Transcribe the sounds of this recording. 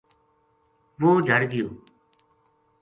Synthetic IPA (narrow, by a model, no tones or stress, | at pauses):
ʋoːd͡ʒʱəɾɡɪjoː